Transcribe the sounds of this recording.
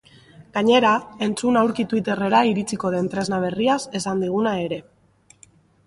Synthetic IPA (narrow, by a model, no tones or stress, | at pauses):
ɡ̥aɲe̞ɾae̞nt͡sunawɾkit̪wit̪e̞re̞ɾaiɾit͡siko̞ðe̞nt̪ɾe̞znaβ̞e̞riase̞sand̪iɣ̞unae̞ɾe̞